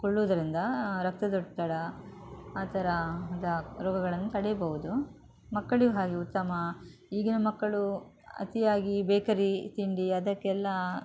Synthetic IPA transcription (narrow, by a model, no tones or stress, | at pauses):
koɭːoːd̪ɐɾind̪ɐɾɐk̚t̪ɐd̪oʈ̚t̪ɐɽɐ | aːt̪ʰɐɾɐd̪ɐɾɔːɡɐɡɐɭɐnːut̪ɐɽɛjɐbɐʋud̪u | mɐkːɐɭiɡɐɦaːɡiut̪ːɐmɐiːɡinɐmɐkːɐɭu | ɐ̰t̪ijaːɡibeːkɐɾit̪iɳɖiɐd̪ɐkːɛlːɐ